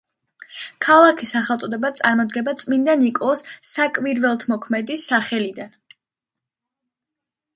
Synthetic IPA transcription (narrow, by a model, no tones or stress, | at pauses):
kʰalˠakʰisaχɛlˠt̪sʼɔd̪ɛbat̪sʼaɾmɔd̪ɡɛbat̪sʼmind̪anikʼɔsːakʼviɾvɛlˠt̪ʰmɔkʰmɛd̪isaχɛlid̪an